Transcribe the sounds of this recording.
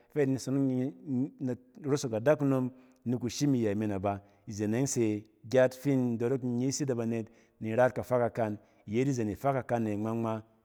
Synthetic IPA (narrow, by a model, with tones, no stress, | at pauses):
fe˦ni˨so˦n˦n˨ | ɾo˦so˨ka˨da˦ku˦no˧m | ni˨ku˨ʃi˦mi˨ja˨mi˨na˨ba˨ | i˨ze˨ne˨˦se˨ | ɡʲa˦tfi˦n˨do˨ɾo˦kɲi˦si˦da˨ba˨ne˨t | ni˨ɾa˦t̚ka˨fa˦ka˨ka˧n | i˨je˨˦di˦ze˨ni˨fa˦ka˨ka˧nːe˨ŋ͡ma˦ŋ͡ma˦